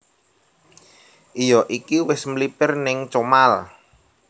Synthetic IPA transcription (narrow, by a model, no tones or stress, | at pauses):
ʔijɔʔikiwɪsmlipɪrnɪŋt͡ʃomal